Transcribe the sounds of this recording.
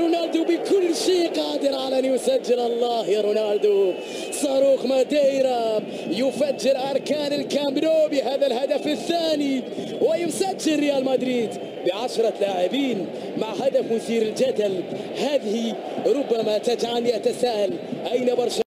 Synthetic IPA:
ɾʊnald̪ubəkʊlːʃiːqɑːd̪əɾʕalænjʊsad͡ʒːɪlʔɑlˤːɑːhjaɾˤunald̪u | sˤɑɾˤuːxmad̪iɾa | jʊfad͡ʒːɪɾʔɑɾˤkaːnəlkamɾobiɦaːðalhad̪afɪθːaːni | wɪjʊsad͡ʒːɪlɾɪjaːlmæd̪ɾiːd̪ | bəʕaʃɾˤɑlaʕɪbiːn | maʕhad̪afmʊθiːɾəld͡ʒad̪alhaːðɪhi | ɾˤʊbːamat̪ad͡ʒʕaniʔæt̪asaːʔalʔæjnabɑɾˤʃ

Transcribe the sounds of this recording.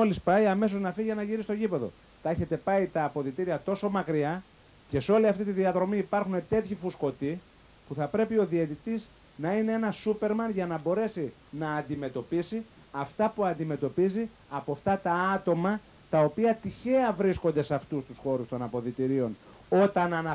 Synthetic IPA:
o̞lispɐjɐme̞s̬o̞znɐfiʝenɐʝiɾisi̥st̪o̞ʝipe̞ðo̞̰ | t̪ɐe̞çe̞t̪e̞pɐit̪ɐːpo̞ðit̪iɾiɐt̪o̞so̞mɐkɾiɐ | ce̞seo̞liɐft̪it̪iðiɐðɾo̞miːpɐɾxune̞t̪e̞t̪çifusko̞t̪i | puθɐpɾe̞pio̞ðiet̪it̪iz | nɐine̞e̞nɐsupe̞ɾmɐnʝɐnɐbo̞ɾe̞si | nɐːnd̪ime̞t̪o̞pisi | ɐft̪ɐpuɐnd̪ime̞t̪o̞pizi | ɐpoft̪ɐt̪ɐɐt̪o̞mɐ | t̪ɐo̞piɐt̪içe̞ɐvɾisko̞nd̪e̞sɐft̪ust̪usxo̞ɾust̪o̞nɐpo̞ðit̪iɾio̞n | o̞t̪ɐnɐnɐ

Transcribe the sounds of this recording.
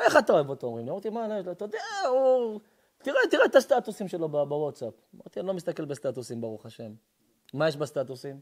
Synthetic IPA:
eχat̪aevot̪oomʁimniomaʁt̪imalojeʃlot̪od̪eau | t̪iʁet̪iʁet̪ast̪at̪usimʃelo̞babawot̪sapama̰ʁt̪ianilo̞mist̪ake̞lbest̪at̪usimbaʁuχaʃe̞mː | ajeʃbast̪at̪usim

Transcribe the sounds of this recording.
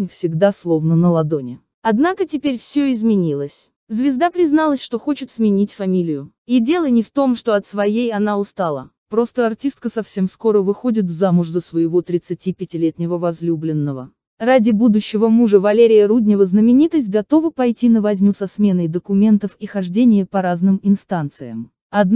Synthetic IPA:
fsʲɪɡd̪aslˠo̞vnənəlˠɐd̪o̞nʲɪ | ɐd̪nakətʲɪpʲeɾʲfsʲoɪzmʲɪnʲilˠəsʲ | zvʲɪzd̪apɾʲɪznalˠəsʲʂt̪o̞xot͡ɕɪt̪smʲɪnʲitʲfɐmʲilʲɪjʊ | idʲe̞lˠənʲɪft̪o̞mʂt̪o̞ɐt̪svɐjejɐnaʊst̪alˠə̰ | pɾo̞st̪əɐrtʲist̪kəsɐfsʲemsko̞ɾəvɨxo̞dʲɪt̪vzamʊʂzəsvəjɪvo̞t̪ɾʲɪt̪sɨtʲipʲɪtʲɪlʲet̪nʲɪvəvɐzlʲublʲɪnːəvə̰ | radʲɪbud̪ʊɕːɪvəmuʐəvɐlʲeɾʲɪjəɾudʲnʲɪvəznəmʲɪnʲit̪əsʲt̚ʲɡɐt̪o̞vəpɐjtʲinəvɐzʲnʲusɐsmʲe̞nəjd̪əkʊmʲe̞nt̪əfixɐʐdʲenʲɪjəpɐɾaznɨmɪnst̪ant̪sɨ̰jə̰m | ɐd̪n

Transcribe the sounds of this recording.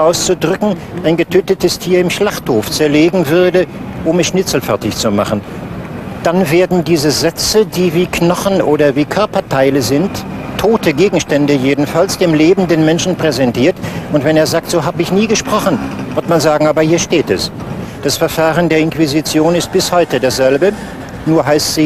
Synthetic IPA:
ʔaʊst͡sudʁʏkŋ̩ʔaɪnɡətʰøːtətəstʰiːɐɪmʃlaχthoːft͡sɛɐleːɡŋ̩vʏɐdəʔʊmɛsʃnɪt͡sl̩fɛɐtɪçt͡suma̰χn̩ | d̥anveːɐdn̩diːzəzɛt͡sədiːviːkʰnɔχn̩ʔoːɾɐviːkʰœɐpɐtʰaɪləzɪntʰːoːtʰəɡeːɡŋ̩ʃtɛndəjeːdn̩falsd̥eːmleːbn̩deːnmɛnʃn̩pʁ̥ɛzɛntʰiːɐtʊntv̥ɛneːɐzaːk̚tz̥oːɦaːbəɪçniːɡəʃpʁ̥ɔχn̩vʏɐtmanzaːɡŋ̩aːbɐhiːɐʃteːtɛ̰sd̥asfɛɐfaːʁəndeːɐɪnkv̥izit͡sjoːnɪst̚b̥ɪshɔʏtədaːsz̥ɛlbə | nuːɐɦaɪstz̥iː

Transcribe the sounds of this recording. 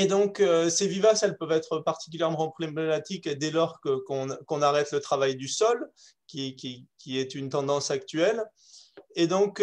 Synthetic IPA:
ed̪ɔ̃køsevivasɛlpœvɛt̪χəpaʁt̪i̥k̬ʲyljɛʁmɑ̃pʁlememat̪iked̪ɛlɔʁkəkɔ̃kɔ̃naʁɛt̪lət̪χavajd̪ysɔl | kʲikʲikʲiɛt̪ynt̪ɑ̃d̪ɑ̃sak̚t̪ɥɛl | ed̪ɔ̃k

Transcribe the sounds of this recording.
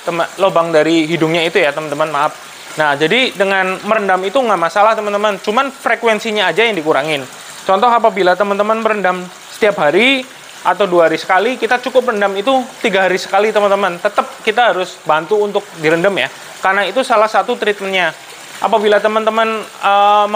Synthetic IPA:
t̪əməlohbaŋdaɾiɦidʊŋɲait̪ujat̪əmənt̪əmənmaap̚ | nahd͡ʒadidəŋanməɾəndamit̪uŋɡaʔmasalaht̪əmənt̪əmənt͡ʃumanfɾekwɛnsiɲaːd͡ʒajaŋdikuɾaŋɪn | t͡ʃɔnt̪ɔɦapabilat̪əmənt̪əmənməɾəndam | sə̥t̪iap̚ɦaɾi | ʔat̪awduaɦaɾisə̥kalikit̪at͡ʃukʊp̬̚rəndamit̪ut̪iɡaɦaɾisə̥kalit̪əmənt̪əmənt̪ət̪əp̚kit̪aɦaɾʊsbant̪uːnt̪ʊk̚diɾəndəmja | karənait̪usalahsat̪ut̪ɾit̪̚mənɲa | ʔa̰pabilat̪əmənt̪əmənə

